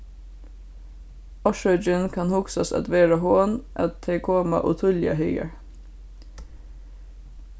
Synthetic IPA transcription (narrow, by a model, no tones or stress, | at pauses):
ɔʃœd͡ʒɪnkʰɑnhʊksɑsɑ̰d̪ʋeːɹɑhoːnʔɑt̪ʰeːkʰoːmɑ̰ʔʊt̪ʰʊljɑ̰hœʏɡə̰ɹ